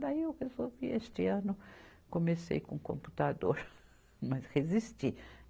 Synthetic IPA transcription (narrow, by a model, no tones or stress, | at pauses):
b̪aiewkesoviest̪ɪɐ̃nʊ | komesḛjkõkõ̰mpu̥t̪ad̪oɾ | mɐshezist̪i